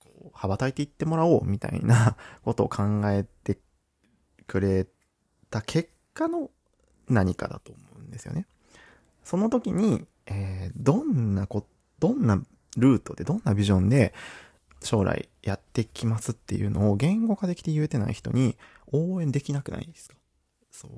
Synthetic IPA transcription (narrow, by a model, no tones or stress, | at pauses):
koːhabat̪ait̪e̞it̪ːe̞mo̞ɾao̞ːmʲit̪a̰ḭnako̞t̪o̞ːkʰãŋɡae̞t̪e̞ | kɯ̟ɾe̞ | t̪akʰe̞kːano̞ | naɲ̟ika̰d̪a̰t̪o̞ːmo̞ɯ̟̃nd̪e̞sɨjo̰ne̞ | so̞no̞t̪o̞kʲiɲ̟i | eːd̪õ̞nːako̞t | d̪̥õ̞nːa | ɾɯ̟ːt̪o̞d̪e̞d̪õ̞nːabʲiʑõ̞nd̪e̞ | ɕo̞ːɾa̰ḭjat̪ːe̞kʲimasɨt̪ːe̞̰jɯ̟no̞ːɡẽ̞ŋɡo̞ɡad̪e̞kʲi̥t̪e̞jɯ̟t̪e̞na̰ḭçi̥t̪o̞̰ɲ̟i | o̞ːẽ̞nd̪e̞kʲinakɯ̟na̰ḭ̃d̪esɨ̥k̪o̥ | so̰ː